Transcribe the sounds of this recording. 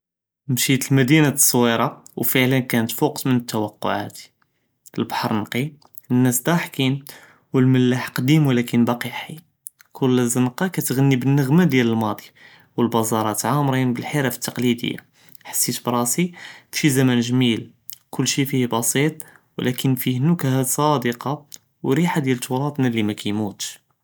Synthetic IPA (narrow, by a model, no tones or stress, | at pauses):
mʃit̪əlmæd̪inḁsˤːwiɾˤɑwfəʕlənkænət̪fuqd̪mənət̪ːæwəqːʊ̰ʕa̰t̪ | əlbɑħɑɾˤnqi | ənːæsd̪ɑħkin | wəlməlːaħqd̪imwlækənbɑqiħi | kʰʊlːzənqɑkæt̪ɣənːibənːəɣmad̪jæləlmɑd̪ˤi | wəlbɑzˤɑɾˤɑt̪ʕamɾinbəlħiɾæfə̥t̪ːɑqlid̪ə̰jːa̰ | ħḁsːit̪bɾˤɑsiʃizæmænʒmil | kʊlːʃifihbɑsit̪ˤwlʔækʰənfihnukhæd̪sˤɑd̪əqɑ | wɾiħad̪jælt̪uɾˤɑt̪ˤnælimækæjmut̪ʃ